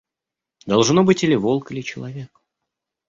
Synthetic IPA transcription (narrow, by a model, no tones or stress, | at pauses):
d̪ɐlˠʐno̞bɨtʲilʲɪvo̞lˠkɨlʲɪt͡ɕɪlˠɐvʲe̞k